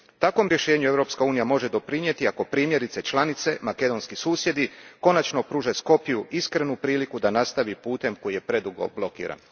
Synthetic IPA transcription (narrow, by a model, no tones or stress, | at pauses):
t̪akʋo̞mɾje̞ʃe̞ːɲueʋɾo̞pskauːnijamo̞ʒe̞d̪o̞pɾiɲje̞t̪iako̞pɾiːmje̞ɾit̪se̞t͡ʃlanit̪se̞make̞d̪o̞nskisuːsje̞d̪iko̞nat͡ʃno̞pɾuːʒesko̞pijuiskɾe̞nupɾiːlikud̪anast̪aʋipuːt̪e̞mko̞jije̞pɾe̞d̪uɡo̞̰blˠo̞kḭːɾa̰n